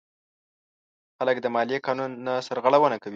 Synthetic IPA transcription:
xaləkd̪əmɑlijekɑnunːasəɾɣaɽawənakawi

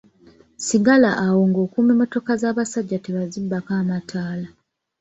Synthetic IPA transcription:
siɡalaʔːwo̞ŋɡo̞ːkuːmimo̞to̞kazaːβasaɟːateβazibːakaːmatʰaːla

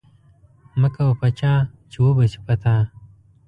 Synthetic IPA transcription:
mɐkɐwɐpɐt͡ɕaːt͡ɕʰiwobɐt͡ɕʰi̥pɐt̪ʰãː

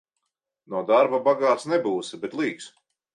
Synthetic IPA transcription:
nɔɔd̪aɾbabaɡaːt̪snɛbuːsibɛt̪lˠiːks

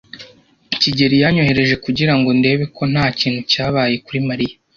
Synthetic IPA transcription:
ciɟe̞ɾijaɲo̞ɦe̞ɾe̞ʒe̞kuɟiɾaŋɡo̞nde̞ːβe̞kʰo̞n̥haːciːn̥hucaːβaːje̞kuɾimaɾija

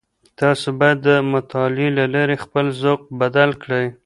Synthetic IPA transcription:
t̪ɑsobɑjad̪ːəmʊt̪ɑlelalaɾexpəlzoq̚bad̪alkɽəj

